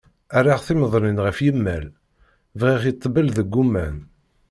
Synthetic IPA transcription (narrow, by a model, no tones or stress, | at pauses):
ærːaʁθiməðˤninʁəfjəmːæl | vʁiʁit̪ˤːbəlðəɡːumːæn